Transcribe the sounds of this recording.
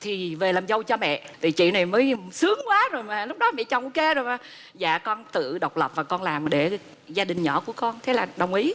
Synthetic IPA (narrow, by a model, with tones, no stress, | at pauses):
t̪ʰi˨˩ve˨˩laː˨˩mzə˧wt͡ɕɔ˧mɛ̰˧˨t̪ʰi˨˩t͡ɕḭ˧˨na˨˩jməː˨˦jsɨ˨˦əŋkwaː˨˦zo˨˩jmaː˨˩lʊ˦˥k͡p̚ɗɔ˨˦mɛ̰˧˨t͡ɕa˨˩wʔu˧˦ke˨˦zoː˨˩jmaː˨˩ | za̰ː˧˨kɔ˧nt̪ɨ̰˧˨ɗə˨˩wk͡p̚lə˨˩p̚vaː˨˩kɔ˧nlaː˨˩mɗe˧˩ | zaː˧ɗï˨˩ŋ̟ɲɔ̰˧˩˦ku˧˩əkɔ˧nt̪ʰe˨˦laː˨˩ɗə˨˩wŋ͡mʔi˨˦